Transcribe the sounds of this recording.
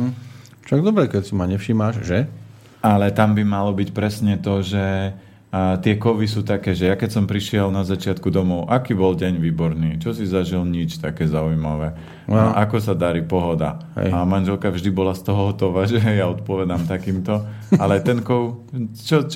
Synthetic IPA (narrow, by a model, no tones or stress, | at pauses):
ʃaɡ̚d̪ɔbɾɛkɛcsimaɲɛfʃiːmaʃʒɛ | alɛt̪ambimalɔbicpɾɛsɲɛt̪ɔʒɛ | t̪ɪɛkɔʋisuːt̪akɛːʒɛjakɛcsɔmpɾiʃɪɛlnazat͡ʃɪat̪kud̪ɔmɔʊʔakiːbɔlɟɛɲʋiːbɔɾniːt͡ʃɔsizaʒilɲit͡ʃt̪akɛːzaujmaʋɛ | ʔakɔsad̪aɾipɔɦɔd̪a̰amanʒɛlkavʒd̪ibɔlast̪ɔɦɔɦɔt̪ɔʋaːʒɛjaɔt̪̚pɔʋɛd̪amt̪akiːmt̪ɔ | alɛt̪ɛnkɔʊt͡ʃɔt͡ʃ